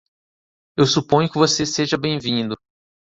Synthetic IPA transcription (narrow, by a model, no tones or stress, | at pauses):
ewsupõɲʊkɪvoseseʒɐbẽj̃vĩnd̪ʊ